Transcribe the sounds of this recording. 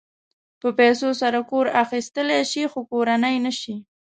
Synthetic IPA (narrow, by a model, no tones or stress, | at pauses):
pəpɛsosaɾakoɾaxist̪əleʃixokoɾanəjnəʃi